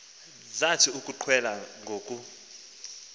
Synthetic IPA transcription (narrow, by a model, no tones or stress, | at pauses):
zatʰiukʼuǃʰwɛlaŋɡʱoːkʼu